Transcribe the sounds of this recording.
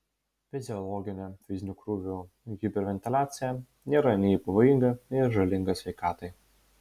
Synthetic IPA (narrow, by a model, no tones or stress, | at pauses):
fʲɪzʲɪɔlˠɔɡʲɪnʲefʲɪzʲnʲʊkɾuʋʲu | ɡʲibʲɛɾʲʋʲɛnʲt̪ʲɪlʲaːt̪sʲɪjɛ | nʲeːɾɐnʲɛpɐʋoːjɪŋɡɐɪɾʒɐlʲɪŋɡɐsʲʋʲɛɪkɑːt̪ɐɪ